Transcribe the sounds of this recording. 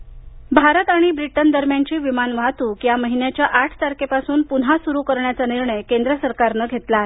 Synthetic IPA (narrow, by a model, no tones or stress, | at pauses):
bʱaɾət̪aɽ̃ibɾiʈənd̪əɾmjant͡ɕiːʋimanʋat̪uːkjaməɦinjat͡ɕjaʔaʈʰt̪aɾkepasuːnpunɦasuɾuːkəɾɳjat͡saniɾɳəjkend̪ɾəsəɾkaɾnəɡʱet̪lae